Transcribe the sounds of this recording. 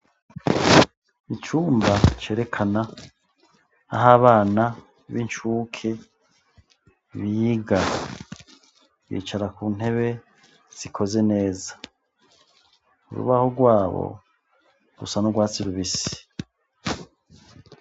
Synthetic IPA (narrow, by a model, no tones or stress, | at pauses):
it͡ʃuːmbat͡ʃe̞ːɾe̞kʰana | a̰ɦaβaːna | βint͡ʃukʰe | βijiɡa | ɡḭːt͡ʃaɾakun̥he̞βe̞ | z̥ikʰo̞ze̞ne̞ːzḁ | ṵɾṵβahoɡwaːβo̰ | ɾṵsanoɡwaːt͡siɾuβisi̥